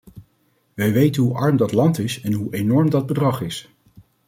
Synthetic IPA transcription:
ʋɛjʋejtənɦuʔɑɹmdɑtlɑntɪsɛnɦuʔenɔɹmdɑd̚bədrɑχɪs

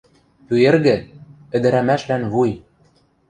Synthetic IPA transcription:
pyĕrɣɘ̆ | ɘ̆d̪ɘ̆ɾæmæʃlænβuj

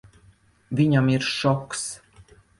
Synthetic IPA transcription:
vʲiɲamiɾʃɔks

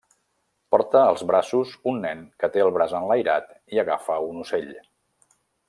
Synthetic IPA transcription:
pɔɾt̪əːlˠzβɾasuzunːɛnkət̪eəlˠβɾazənləjɾat̪ | iəɣafəunuseʎ

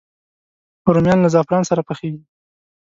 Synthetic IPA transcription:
ʊɾomjɑnlazɑfɾɑnsaɾapəxeɡi

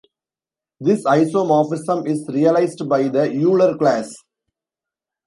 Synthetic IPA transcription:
d̪ɪsaɪsõːmɔːfɪsɐ̃mɪsɾijɐlaɪsɖbaɪd̪ɐjuːləɾklæːs

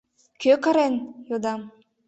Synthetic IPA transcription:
køkɑɾenjod̪ɑm

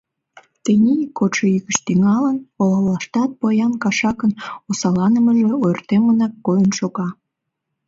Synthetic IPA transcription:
t̪enʲikːot͡ʃeiɣəʃt̪yŋɑlənolɑllɑʃt̪ɑt̪̚pojɑnkɑʃɑkənosɑlɑnə̆məʒeojrt̪emənɑkːojənʃoɣɑ

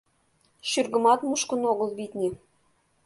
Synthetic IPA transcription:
ɕyrɡɤ̆mɑt̪muʃkɤ̆noɣɤ̆lˠβit̪ʲnʲe

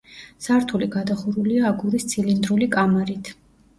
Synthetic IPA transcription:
saɾt̪ʰuliɡad̪aχuɾuliaːɡuɾist̪sʰilind̪ɾulikʼamaɾit̪ʰ

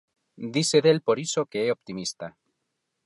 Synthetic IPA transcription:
d̪iseðelpo̞ɾiso̞keeopt̪imist̪a

